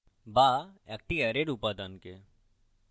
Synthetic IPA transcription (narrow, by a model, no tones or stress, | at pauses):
baɛk̚ʈiɛɾeɖupad̪anke